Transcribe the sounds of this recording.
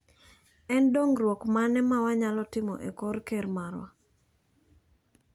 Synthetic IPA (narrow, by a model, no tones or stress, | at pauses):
ɛndoŋɾwokmanɛmawaɲalɔtɪmɔ̰ʔekɔrkermarwa̰